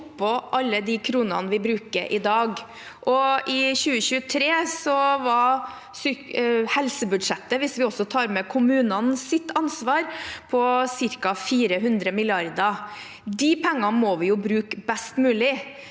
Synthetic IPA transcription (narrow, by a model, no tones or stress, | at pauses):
pʰːɔʔɑlːəd̪ɪkʰɾuːnɑ̰nʋɪbɾʉːkəɾʔɪd̪ɑːɡ | ʔɔʔɪçʉːəçʉːət̪ʰɾeːsɔʋɑ | sʏhɛlsəbʉd̪ʂɛt̪ːəʋɪsʋɪɔsɔt̪ʰɑːɾmɛkʰʊmʉːnɑnsɪt̪ʰːɑnsʋɑːɾpʰɔsɪɾkɑfiːɾəɦʉnd̪ɾəmɪlɪɑɾd̪ɑ | d̪ɪpʰɛŋːɑnmɔːʋɪjʊbɾʉːkbɛst̪mʉːlɪ